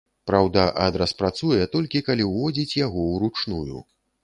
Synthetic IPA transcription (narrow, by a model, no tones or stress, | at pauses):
pɾawd̪ɐʔɐd̪ɾɐspɾat̪sujɛt̪ɔlʲkʲikalʲiwvɔd͡zʲit͡sʲjaɣɔwɾut͡ʂnujṵ